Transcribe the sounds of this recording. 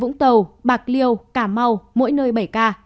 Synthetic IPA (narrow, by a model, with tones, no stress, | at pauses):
vʊ̰˧˥ŋ͡mt̪ə˨˩wɓaː˨˩k̚li˧əwkaː˧˩ma˧wmo̰˧˥jnəː˧jɓə˧˩jkaː˧